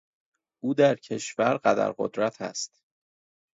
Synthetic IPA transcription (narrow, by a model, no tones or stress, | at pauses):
ʔuːd̪æɾcʰe̞ʃvæɾɢæd̪æ̰ɾɢo̰d̪ɾæt̪ʰæ̰st̪